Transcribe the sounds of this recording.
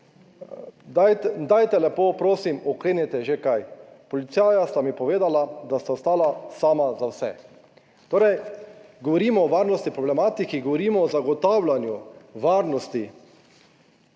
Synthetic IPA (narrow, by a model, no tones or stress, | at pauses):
d̪ajd̪ajt̪ɛlɛpoːpɾoːsimɔkɾeːnɛt̪ɛʒekajpɔlit̪saːjast̪amipɔʋeːd̪alad̪ast̪awst̪aːlasaːmazawsɛ | t̪oːɾɛjɡɔʋɔɾiːmɔːʋaːɾnɔst̪ipɾɔblɛmaːt̪ikiɡɔʋɔɾiːmɔːzaɡɔt̪aːwlanjuʋaːɾnɔst̪i